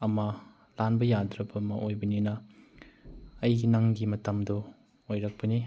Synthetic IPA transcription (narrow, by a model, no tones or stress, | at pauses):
ɐmɐ | lanbɐjadɾɐbɐmɐʔojbɐninɐ | ɐjɡinɐŋɡimɐtɐmdɔ | ojɾɐk̚pɐni